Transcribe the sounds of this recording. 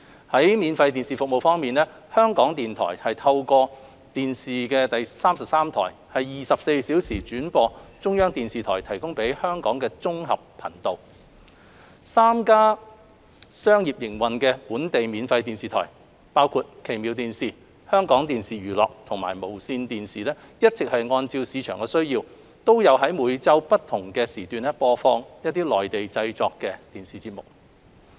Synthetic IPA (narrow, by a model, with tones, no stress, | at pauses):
hɐ˨˥jmiː˨˧nfɐ˧jt̪iː˨nsiː˨˩fʊ˨k̚mo˨wfɔː˥ŋmiː˨˩nɛː˥ | hœː˥ŋkɔː˨˥ŋt̪iː˨nt̪ʰɔ̰ː˨˩jhɐ˨jt̪ʰɐ˧wkɔː˧ | t̪iː˨nsiː˨kɛː˧t̪ɐ˨jsaː˥msɐ˨p̚saː˥mt̪ʰɔ̰ː˨˩jhɐ˨jːiː˨sɐ˨p̚se˧jsiː˨˥wsiː˨˩t͡ʃyː˨˥npɔː˧t͡sʊ˥ŋjœː˥ŋt̪iː˨nsiː˨t̪ʰɔ̰ː˨˩jt̪ʰɐ˨˩jkʊ˥ŋpe˨˥jhœː˥ŋkɔː˨˥ŋkɛː˧t͡sʊ˥ŋɦɐ˨p̚pʰɐ̰˨˩ŋt̪o˨w | saː˥mkaː˥ | sœː˥ŋjiː˨p̚jɪ˨˩ŋwɐ˨nkɛː˧puː˨˥nt̪e˨jmiː˨nfɐ˧jt̪iː˨nsiː˨t̪ʰɔ̰ː˨˩j | paː˥wkʰuː˧t̚kʰe˨˩jmiː˨˧wt̪iː˨nsiː˨ | hœː˥ŋkɔː˨˥ŋt̪iː˨nsiː˨ɥyː˨˩lɔ̰ː˨k̚t̪ʰʊ˨˩ŋma̰ː˨˩jmo˨˩wsiː˧nt̪iː˨nsiː˨˩lɛː˥ | jɐ˥t̚t͡sɪ˨k̚hɐ˨jŋɔː˧nt͡siː˧wsiː˨˧t͡ʃʰœː˨˩ŋkɛː˧sɵ˥ɥjiː˧w | t̪o˥wjɐ˨˧whɐ˨˥jmuː˨˧jt͡sɐ˥wpɐ˥t̚t̪ʰʊ˨˩ŋkɛː˧siː˨˩t̪yː˨nɛ˥pɔː˧fɔː˧ŋjɐ˥t̚t̪ːiː˥lɔː˨jt̪e˨jt͡sɐ˧jt͡sɔː˨kːɛ˧t̪iː˨˩nsiː˨t͡siː˧t̚mʊ˨k̚